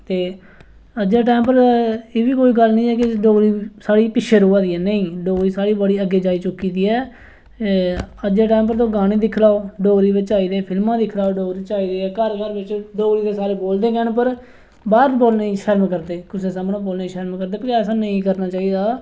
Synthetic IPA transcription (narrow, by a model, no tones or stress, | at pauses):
t̪eː | əd͡ʒeːʈaːmpəɾeːʋiːkoːiːɡəlnĩːɛːkɪɖoːɾiːsaːɽiːpɪkʃʰeːɾoːaːd̪iːɛːnəĩːɖoːɾiːsaːɽiːbəɽiːəɡːeːd͡ʒaːiːt͡ʃʊkːiːd̪iːɛː | əd͡ʒeːʈɛːmp̬əɾt̪õːɡaːɽ̃iːd̪ɪkʰlaːoːɖoːɾiːbɪt͡ʃaːiːd̪eːpʰɪlmãːd̪ɪkʰlaːoːɖoːɡɾiːt͡ʃaːiːd̪eːɛːkəɾkəɾbɪt͡ʃɖoːɡɾiːd̪eːsaːɾeːboːld̪eːkɛːɳpəɾ | baːɾboːlneiːʃɛːɾmkəɾd̪eːkʊseːsəmnõːboːlneiːʃɛːɾmkəɾd̪eːpəɾɛːsãːnəĩːkəɾnaːt͡ʃaːiːd̪aː